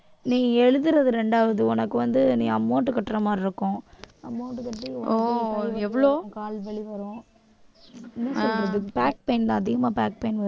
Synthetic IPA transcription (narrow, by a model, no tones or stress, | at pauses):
nĩːɐɛɻɯðɯɾɐðɯɾɛɳɖaːʋɐðɯɔnɐkːɯʋɐnd̪ɯnĩːɐmːoːʈːɯkɐʈːɾɐmaːɾɪɾɯkːʊ̃ɐmːoːʈːɯkɐʈːiɔoːɛʋːɐɭõːkaːlʋɛɭiʋɐɾʊ̃ː | ɪnːɐsɔlɾɐðɯpaːk̚pɐɪnt̪ãːɐðɪɣɐmaːbaːk̚pɐɪnʋɐ